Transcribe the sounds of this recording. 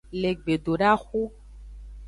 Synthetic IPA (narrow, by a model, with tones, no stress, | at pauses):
le˨ɡ͡be˨ɖo˨ɖa˦xu˦